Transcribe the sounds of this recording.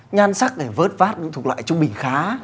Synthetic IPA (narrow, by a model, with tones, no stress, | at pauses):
ɲaː˧nsa˦˥k̚ɗe˧˩vəː˦˥t̚vaː˦˥t̚ɗɨ̰˧˥t̪u˨˩kla̰ː˧˨jt͡ɕʊ˧ŋ͡mɓï˧˩ŋ̟xaː˨˦